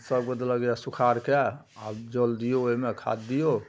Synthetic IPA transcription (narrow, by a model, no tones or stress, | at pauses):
səbked̪ləɡjasukʰaɾke | abd͡ʒəld̪ijoomekʰa̰d̪d̪ijo